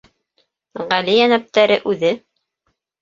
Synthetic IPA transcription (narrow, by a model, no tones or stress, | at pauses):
ʁælijænæp̚t̪æɾɘʔʉðɘ